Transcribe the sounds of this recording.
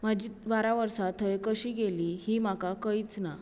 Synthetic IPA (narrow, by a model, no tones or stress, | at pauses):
mad͡ʑiːʋaɾaʋəɾsat̪ʰːəjkəɕiːɡeliːhiːmakakəit͡sna